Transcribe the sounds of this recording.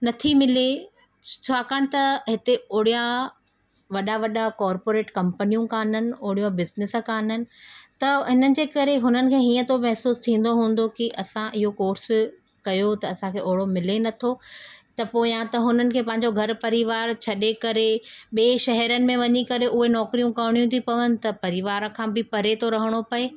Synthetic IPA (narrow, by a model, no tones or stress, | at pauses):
nɐt̪ʰimɪle | t͡ɕʰaːkaːɽ̃̆t̪ɐɦɪt̪eoːɽijã | ʋɐɗaʋɐɗakɔːɾpoːɾeːʈkɐ̃mpnijũkaːn̤ənɪ̆oːɽijõbɪznɪskaːnənɪ̆t̪ɐɦɪnənɪ̆d͡ʑeːkɐɾeɦʊnənɪ̆kʰeːɦĩːə̃t̪ʰomɛɦsuːst̪ʰĩːn̆d̪oɦũːn̆d̪okiʔɐsãʔɪɦokoːɾs | kɐjot̪ɐːsãkʰeːʔoːɭomɪlenɐt̪ʰot̪ɐpoːɪjãt̪ɐɦʊnənɪ̆kʰeːpɐ̃ɦɪ̃ɲ̆d͡ʑoɡʱɐɾpɐɾiʋaːɾt͡ɕʰɐɗekɐɾeɓeːʃɐɦɛɾənɪ̆mẽʋɐɲikɐɾeʔʊɦenɔːkɾijũkɐʋɽ̃ijũt̪ʰipɐʋənɪ̆t̪ɐpɐɾɪʋaːɾəkʰãːbɪpɐɾet̪ʰoɾɐɦəɽ̃opɐeː